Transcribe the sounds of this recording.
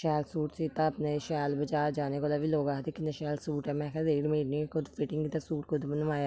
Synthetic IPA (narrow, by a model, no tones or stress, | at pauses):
ʃɛːlsuːʈsiːt̪aːəpneʃɛːlbəd͡ʒaːd͡ʒaːneːkolaːʋiːloːɡaːɦd̪ikɪnaʃɛːlsuːʈɛːmɛ̃ːkʰɛzeːɽmeːɾniːkʰʊd̪pʰɪʈɪ̃ŋɡit̪asuːʈkʰʊd̪bənʋaːjaː